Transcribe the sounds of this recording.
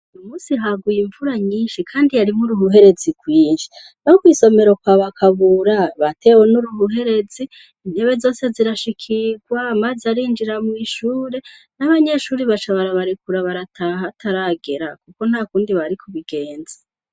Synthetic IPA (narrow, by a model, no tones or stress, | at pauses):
ujumuːsiɦaɡujiɱvuɾaɲiːnʃikʰaːndijaɾimuɾuhuɦe̞ɾe̞ziɡwiːnʃi̥ | nokwiːso̞me̞ɾo̞kwaβakʰaβuɾaβate̞wenuɾuhuɦe̞ɾe̞ziː | neβe̞zo̞ːse̞ziɾaʃikʰiɡwamazaɾiːnd͡ʒiɾamwiʃuːɾe̞ | naβaɲe̞ʃuːɾiβat͡ʃaβaɾaβaɾikuɾaβaɾatʰaɦatʰaɾaɡe̞ɾakuko̞n̥hakuːndiβaɾikʰuβiɡe̞ːnze̥